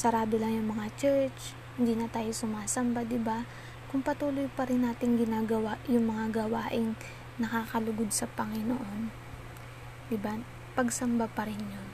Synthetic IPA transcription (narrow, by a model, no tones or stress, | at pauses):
sɐɾaːbɪlɐŋjʊŋmɐŋat͡ʃɛɹt͡ʃ | hɪnd̪iːnɐt̪aːjosʊmaːsɐmbad̪ɪba | kʊŋpɐt̪uːlojpɐɾɪnːaːt̪ɪŋɡɪnaːɡɐwajʊŋmɐŋaɡɐwaːʔɪŋ | nɐkaːkɐlʊɡod̪̚sɐpɐŋɪnoʔo̞n | d̪ɪba | pɐɡsɐmbapɐɾɪnɲon